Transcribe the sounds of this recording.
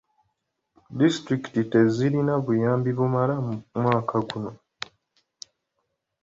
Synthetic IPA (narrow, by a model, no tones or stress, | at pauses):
distɾikitite̞ziɾinaβujaːmbiβumalamwaːkʰaɡuno̞